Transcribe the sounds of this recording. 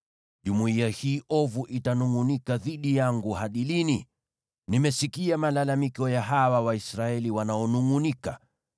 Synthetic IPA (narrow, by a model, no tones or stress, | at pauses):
ʄumuiahiːʔɔvuʔitanuŋunikaðiɗijaŋɡuhaɗilini | nimɛsikiamalalamikɔjaɦawawaisɾaɛliwanaɔnuŋunika